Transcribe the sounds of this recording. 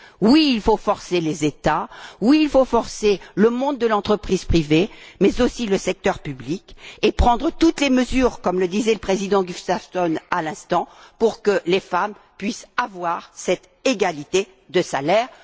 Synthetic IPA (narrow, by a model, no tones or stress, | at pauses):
wiːlfofɔʁselezet̪awiːlfofɔʁseləmɔ̃d̪̚d̪əlɑ̃t̪χəpχiz̥pχivemɛzosiləsɛk̚t̪œʁpyblikepχɑ̃d̪ʁət̪ut̪leməzyːʁkɔmləd̪izɛləpχezid̪ɑ̃ɡyst̪aft̪ɔnalɛ̃st̪ɑ̃puʁkəlefam | pɥisavwaʁsɛt̪ | eɡalit̪e | d̪əsalɛːʁ